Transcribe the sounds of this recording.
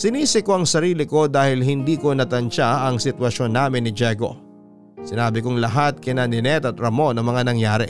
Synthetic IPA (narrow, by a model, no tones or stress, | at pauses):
sɪniːsɪko̞ʔɐŋsɐɾiːlɪko̞d̪aːhɪlhɪnd̪iːko̞nɐt̪ɐnt͡ʃaɐŋsɪt̪wɐʃo̞nːaːmɪnːɪd͡ʒɛɡo̞̰ | sɪnaːbɪkoŋlɐɦat̪̚kɪnanɪnɛt̪ɐt̪̚ɾɐmo̞nɐŋmɐŋanɐŋjaːɾɛ̰